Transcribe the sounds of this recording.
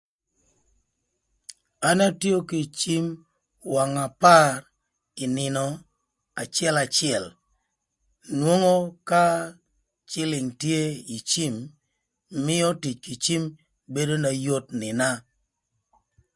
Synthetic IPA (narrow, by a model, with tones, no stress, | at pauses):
a˦na˦tjo˦ki˨t͡ʃi˦m | wa˨ŋa˨pa˦r | ɪ˨nɪ˨nɔ˨ | a˨t͡ʃɛ˦la˨t͡ʃɪɛ˨l | nwo˦ŋo˦ka˦ | t͡ʃɪ˦lɪ˨ŋtje˦i˨t͡ʃi˦mː | ɪ˦ɔ˦ti˨t͡ʃki˨t͡ʃi˦m | be˦do˦na˨jo˦tnɪ˨na˦